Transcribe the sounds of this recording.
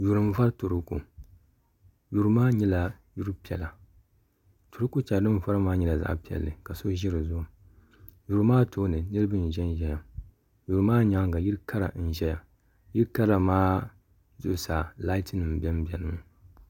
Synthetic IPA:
ju˨ɾɨ˨m˨˦va˦ɾto˨ɾu˦kṵ˨ | ju˨ɾmaː˦ɲɛ˦la˨ju˦ɾu˦pi˨ɛ˨la˨ | to˨ɾu˦ku˦t͡ʃa˨dɨ˦m˨va˦ɾa˦maː˦ɲɛ˦la˨za̰˦ʔpi˨ɛ̰˨lːɨ˨ka˨so˦ʒi˦ɾɨ˨zʊ˦˨ʊ˨ | ju˨ɾmaː˦toː˦nɨ˨nɨ˦ɾɨ˦bɨ˦n̩˨ʒɛ˦n˦ʒɛ˨ja˨ | ju˨ɾɨ˨˦maː˦ɲa˨˦ɡa˨ji˦ɾka˦ɾa̰˨˦n̩˨ʒɛ˦ja˨ | ji˦ɾka˦ɾa˨maː˦ | zʊ̰˦ʔʊ˦˨sa˨la˦i˦tɨ˦nɨ˨m˨bʲɛ˦m˦bɛ˨nɨ˦m˨

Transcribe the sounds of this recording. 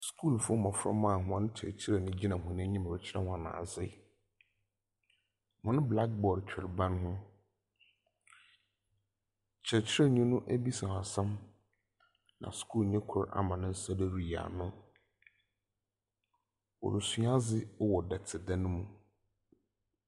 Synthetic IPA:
skʰu˦˨lfʊ˦ɔ˦mã˨fʊ˦ɾɔ̰˦mã˦˨hʊ̃˨ã˨nʊ̃˦t͡ɕʰɪ˨t͡ɕʰɪ˦ɾɛ˨nʊ̃˦d͡ʑi˦nã˨ɦʊ̃˨nɪ̃˦ɲĩ˦m˨ɛ˨t͡ɕʰɪ˦ɾɛ̰˦hʊ̃˨ã˨nã̰˨zɪ˦ | mʊ̃˨nʊ̃˦bla˦k̚bɔ˨ɾt͡ɕᶣʰɪ˨ɾbã˦nhʊ̃˦ | t͡ɕʰɛ˨t͡ɕʰɪ˦ɾɛ˦ɲũ˦nʊ̃˦ʔæ˦bi˦sã˨a˨sã˦m | nã̰˨skʰuː˦˨lɲɛ̃˦kʰʊ˨ɾa̰˨mã˨nɪ̃˦n̩˦sa˦de˦ɾi˨a̰˨nʊ̃˦ | ɔ̰˨ɾʊ˨su˦a˦zɪ˦wɔ˨dɛ˨tʰɪ˨da˦nʊ̃˦mũ˨

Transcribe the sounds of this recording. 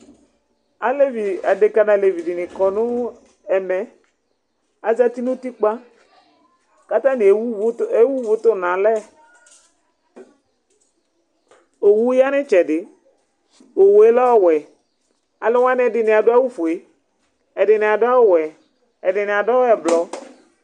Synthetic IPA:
a˨le˦vi˨a˨de˨ka˦nã˨le˨vi˨dɪ˨nɪ˨kɔ˨nʊ̃˦ | ɛ˨mɛ˨ | a˨za˦t̪i˦nũ˦t̪i˦k͡pa˦ | ka˦t̪ã˦nɪ˨˦e˦wu˦vʊ˨˦t̪ʊ˦˨nã˨lɛ˦ | o˨wu˦ja˦nɪ˦t͡ʃɛ˨ɖɪ˨ | o˨wo˨e˦lɔ˦ɔ˦wɛ˨ | a˨lʊ˦wa˦nɪ̃˦ɛ˨dɪ˨nɪ˨a˨dʊ˦a˦wu˦fo˨e˨ | ɛ˨ɖɪ˨nɪ˨a˨da˦wɛ˨ | ɛ˨dɪ˨nɪ˨a˨dɔ˦ɛ˨blɔ˨

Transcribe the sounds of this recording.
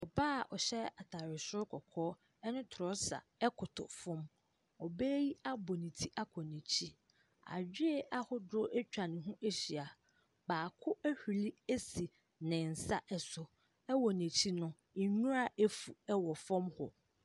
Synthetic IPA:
ɔ˨baː˦˨ʔɔ˨ɕɛ˦a˨tʰa˨ɾɪ˨sʊ˦ɾkʰɔ˨kʰɔː˦ | ɛ˦nʊ̃˦tʰɾɔ˦sa̰˨ɛ˦kʰʊ˨tʰʊ̰˨fɔ̃˦m | ɔ˨bɛ˦ji˦a˦bɔ˨nĩ˨tʰi˦ʔa˦kʰɔ˨nɛ̃˨t͡ɕʰi˦ | a̰˨d͡ʑᶣɪ˦˨ʔa˦hʊ˦dʊ˦ʔæ˦t͡ɕᶣa˨nɪ̃˨ɦũ˦ʔe˦ɕi˨a˨ | baː˨kʰʊ˦æ˦hᶣi˨li˦e˦si˨ | nɪ̃˨n̩˨sa˦ʔɛ˨sʊ˨ | ɛ˦wɔ˨nɛ̃˨t͡ɕʰi˦nʊ̃˦˨ | nũ˦a˨ʔe˦fu˨ɛ˦wɔ˨fɔ̃˦mhʊ̰˨

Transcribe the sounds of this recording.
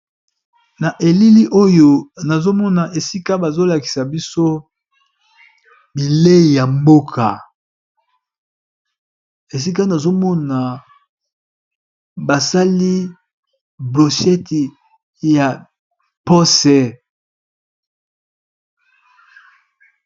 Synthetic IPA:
na˨ʔe˨li˦li˦ʔo˦jo˦na˨zo˦mɔ˦na˨ʔe˨si˦ka˦ba˨zo˦la˨ki̥˨sa˨bi˦so˦ | bi˨le˦˨ja˨mbo˦kʰa˨ | e˨s̬i˦k̬a˦na˨zo˦mɔ˦na˨ | ba˨sa˦li˦ | blo˨ʃɛ˦ti˨ | ja˨ | po˦sɛ˦˨

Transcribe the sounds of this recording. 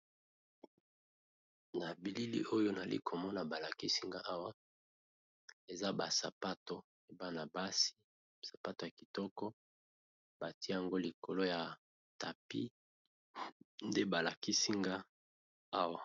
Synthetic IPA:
na˨bi˨li˦lḭ˦ʔo˦jo˦n˨a˨lḭ˦kʰo˨mɔ˦na˨ba˨la˨ki˦si˦ŋɡa˦ʔa˦wa˦ | e˨za˦ba̰˨sa˨pa˦to˨ | e˨ba˦na˨ba˦si̥˦ | sḁ˨pa˦to˨ja˨ki̥˨tɔ˦kɔ˦ | ba˨ti˦ja˨ŋɡo˦li˨ko˨lo˦ja˨ | ta˨pḭ˦ | nde˦ba˨la˨ki˦si˦ŋɡa˦ | a˦wa˨

